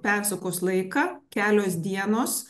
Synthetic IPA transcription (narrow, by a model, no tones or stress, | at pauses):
pʲæˑɾsɐkoːslˠɐɪkɑːkʲæːlʲoːsd̪ʲiɛnoːs